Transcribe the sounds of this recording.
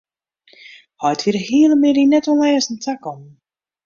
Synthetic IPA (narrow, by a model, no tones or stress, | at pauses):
hɔjtʋiɾəhiəlˠəmɪɾinɛtɔnlɛːəsn̩tʰakɔn